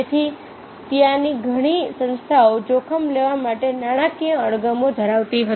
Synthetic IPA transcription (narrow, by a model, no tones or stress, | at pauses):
et̪ʰi | t̪jãniɡʱəɽ̃isə̃nst̪ʰaod͡ʒokʰəmleʋamaʈenaɽ̃akijə̃əɽɡəmod̪ʱəɾaʋt̪iɦə